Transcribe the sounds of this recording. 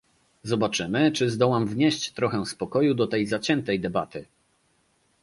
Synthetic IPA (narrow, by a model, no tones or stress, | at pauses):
zɔbat͡ʂɘmɘt͡ʂɘzd̪ɔwamvɲeɕt͡ɕt̪ɾɔxɛ̃spɔkɔjud̪ɔt̪ɛjzat͡ɕɛnt̪ɛjd̪ɛbat̪ɘ